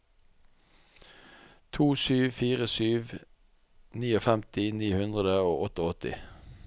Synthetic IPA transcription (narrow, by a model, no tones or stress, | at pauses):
t̪ʰuːsyːʋfiːʁəsyːʋ | niːoːfɛmt̪ɪniːhʉnd̪ʁəd̪əo̰ːʔɔt̪əɔt̪ɪ̰